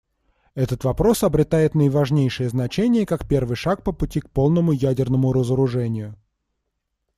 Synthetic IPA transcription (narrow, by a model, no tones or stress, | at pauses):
ɛt̪ət̪vɐpɾo̞sɐbɾʲɪt̪ajɪt̪nəjvɐʐnʲejʂɨjəznɐt͡ɕenʲɪjəkakpʲe̞rvɨjʂak̚pəpʊtʲik̚po̞lˠnəmʊjædʲɪrnəmʊɾəzəɾʊʐɛnʲɪjʊ